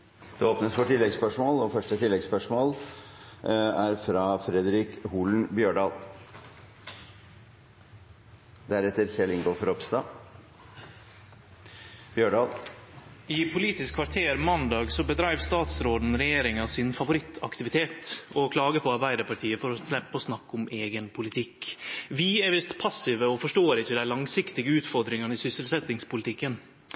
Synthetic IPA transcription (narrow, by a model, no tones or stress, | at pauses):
d̪̥ɛoːpnəsfɔʈɪlːɛɡspœʂmoːlɔfœʂʈət̪ʰɪlːɛɡspœʂmoːl | æɾfɾɑfɾɛd̪əɾɪkhuːln̩bjøːɖɑːl | d̪æɾɛt̪ːəɾsɛlɪŋɡɔfɔɾɔpst̪ɑː | b̥jøːɖɑːl | ɪpʰʊliːt̪ɪskʰʋɑɾʈ̪ʰeːɾmɑnd̪ɑːɡsɔbəd̪ɾæɪʋst̪ɑːt̪sɾoːd̪n̩ɾɛjeːɾɪŋɑsɪnfɑʋʊɾɪt̪ʰːɑ̰kt̪ɪʋɪt̪ʰeːt̪ɔkʰlɑːɡəpʰɔɑɾbæɪd̪əɾpʰɑʈʰiːəfɔɾɔslɛpːɔsnɑkːʊmeːɡənpʰʊlɪt̪ʰɪkːʋɪɛɾʋɪst̪pʰɑsɪʋəɔfɔʂʈoːɾɪçəd̪æɪlɑŋsɪkt̪ɪɡəʉːt̪fɔɾd̪ɾɪŋɑnəɪsʏsəlsɛt̪ɪŋspʊlɪt̪ʰɪkːən